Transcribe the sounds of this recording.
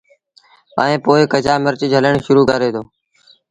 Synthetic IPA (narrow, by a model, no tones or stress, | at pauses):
ə̰ːẽːpoːɪkəd͡ʒaːməɾt͡ʃd͡ʒʱəleɳʃʊɾuːkaːɾeːd̪oː